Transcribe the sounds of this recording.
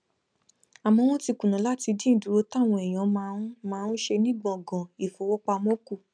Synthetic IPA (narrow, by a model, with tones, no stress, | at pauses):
a˨mɔ̃˧w̃ɔ̃˦ti˧kũ˨nã˨la˦ti˧dĩ˦n̩˨du˨ɾo˧˦ta˦˨w̃ɔ̃˧ɛ˨j̃ɔ̃˨˦ma˧˦mãː˦˧n̩˦ʃe˧nĩ˦ɡ͡bɔ̃˨ɡɔ̃˨i˨fo˨˦wɔ˦k͡pa˧mɔ̃˦ku˦˨